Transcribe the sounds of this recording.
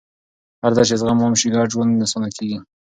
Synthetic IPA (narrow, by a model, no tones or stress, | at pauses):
haɾd̪ɑt͡ʃezɣamɑmʃiɡɑɾʒwonnasonakʰeɡi